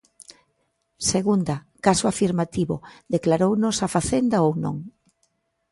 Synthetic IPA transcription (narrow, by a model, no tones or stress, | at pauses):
seɣund̪ɐ | kasʊafiɾmat̪iβʊ̰d̪eklaɾownosafaθend̪aownõ̰ŋ